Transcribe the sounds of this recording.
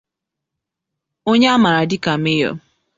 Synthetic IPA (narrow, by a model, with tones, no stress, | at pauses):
o˦ɲe˦a˦ma˨ɾa˨dɪ˦ka˨me˦jɔ̰˦